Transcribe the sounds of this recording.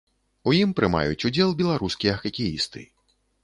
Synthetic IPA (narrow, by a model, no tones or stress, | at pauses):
ujimpɾɨma̰jut͡sʲud͡zʲɛlˠbʲɛlˠaɾuskʲijɐɐxɐkʲijist̪ɨ̰